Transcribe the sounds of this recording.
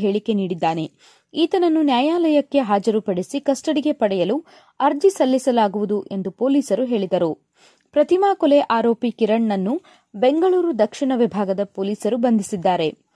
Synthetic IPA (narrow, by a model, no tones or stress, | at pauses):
ɦeːɭike̞niːɽid̪ːaːne̞ | iːt̪ɐnɐnːunjaːjaːlɐjɐkːe̞ɦaːd͡ʒɐɾupɐɽisikɐsʈɐɽiɡe̞pɐɽɛjɐlu | ɐɾd͡ʒisɐlːisɐlaːɡuʋud̪uʔe̞nd̪upo̞ːliːsɐɾuɦe̞ːɭid̪ɐɾu | pɾɐt̪imaːkɔleʔaːɾoːpikiɾɐɳːɐnːu | be̞ŋɡɐɭuːɾud̪ɐkʂiɳɐʋibʱaːɡɐd̪ɐpoːliːsɐɾubɐnd̪ʱisid̪ːaːɾe̞